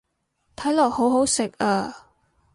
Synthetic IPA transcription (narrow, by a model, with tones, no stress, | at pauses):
t̪ʰɐ˨˥jlɔː˨˩k̚ho˨˥wɦo˨˥wsɪ˨k̚aː˧˩